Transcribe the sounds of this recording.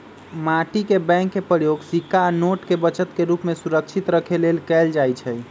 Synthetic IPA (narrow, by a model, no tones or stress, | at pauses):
maʈikebɛ̃ŋkːepəɾjoɡsikːanoʈkebət͡ʃət̪keɾupmesuɾəkt͡ʃʰit̪ɾəkʰelelkɛld͡ʒajt͡ʃʰɛj